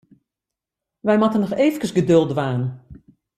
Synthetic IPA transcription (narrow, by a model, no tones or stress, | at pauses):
ʋɛjmatənɔxeːvəkəsɡədølˠdʋaːnn